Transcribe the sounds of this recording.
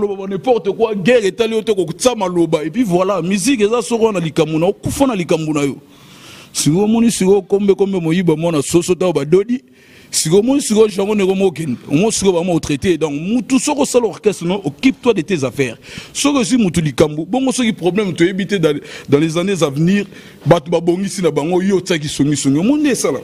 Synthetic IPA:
lobabanɛ̃pɔʁtekwaɡɛʁetalijotekotamalobaepivwalamizikezasokoanalikambonajokufanalikambonajo | sikomɔnisikokombekombemojibamɔnasosotajobadodi | sikoomɔnisikoʒãŋɡonekomok̬ɛneomɔsikobamaotʁetedɔ̃ŋkmutusokosalɔʁkɛstenaʔokip̚twadetezafɛʁsɔkezimutulikamboboŋɡosokipʁoblɛmtojebitedɑ̃lezanezavniʁ | batobaboŋɡisinabaŋɡojetak̬isoŋɡisoŋɡiomɔidesala̰

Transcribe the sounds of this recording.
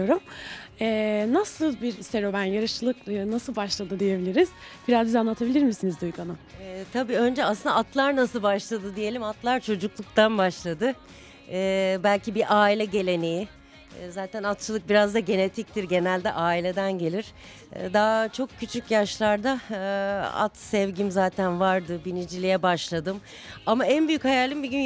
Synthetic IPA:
joɾumɛːnasɯlˠbiɾst̪eɾo̞banjaɾɯʃɯlˠɯkːnasɯlˠbaʃlˠad̪ɯd̪ije̞bilʲiɾiz̥ | b̥iɾazdizanlˠat̪ʰabilʲiɾmisinizd̪ujkʰanɯɛt̪ʰabiːø̞nd͡ʒɛasɯnaat̪ʰlˠaɾnasɯlˠbaʃlˠad̪ɯd̪ije̞lʲimat̪lˠaɾt͡ʃʰo̞d͡ʒuklˠuk̚t̪ʰanbaʃlˠad̪ɯː | bælʲcibiʔaːilʲɛɟe̞lʲe̞neji | zaːt̪ʰænat̪̚t͡ʃʰɯlˠɯk̚biɾazd̪aɟe̞ne̞t̪ʰic̚t̪ʰiɾɟe̞nælʲd̪ɛʔaːilʲe̞d̪ænɟe̞lʲiɾ̥̰ | d̪aːt͡ʃʰo̞kcʰːyt͡ʃʰycjaʃlˠaɾd̪a | a̰t̪sɛvɟimzaːt̪ʰænvaɾd̪ɯbinid͡ʒilʲijɛbaʃlˠad̪ɯm | amaænbyjychajalʲimbiɟʲyn

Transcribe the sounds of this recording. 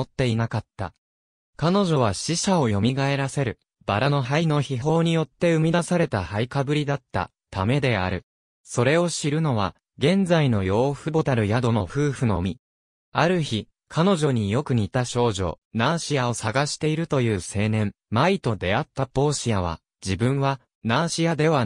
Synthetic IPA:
ot̪ːe̞inakat̪ːa̰ | kano̞ʑo̞β̞aɕiɕao̞jo̞mʲiɡae̞ɾase̞ɾɯ̟ | b̥aɾano̞ɦaino̞çiɦo̞ːɲ̟ijo̞t̪ːe̞ɯ̟mʲid̪asaɾe̞t̪ahaikabɯ̟ɾʲid̪at̪ːa̰ | t̪ame̞d̪e̞a̰ɾɯ̟ | so̞ɾe̞o̞ɕiɾɯ̟no̞β̞a̰ | ɡẽ̞nd͡zaino̞jo̞ːɸɯ̟bo̞t̪aɾɯ̟jad̪o̞no̞ɸɯ̟ːɸɯ̟no̞̰mʲi | aɾɯ̟çi | kʰano̞ʑo̞ɲ̟ijo̞kɯ̟ɲ̟it̪aɕo̞ːʑo̞̰ːnaːɕiao̞saɡaɕi̥t̪e̞iɾɯ̟t̪o̞jɯ̟ːse̞ːnẽ̞m | mait̪o̞d̪e̞at̪ːapo̞ːɕijaβ̞a̰ | d͡ʑibɯ̟̃ɰ̃βa | naːɕijad̪e̞β̞a

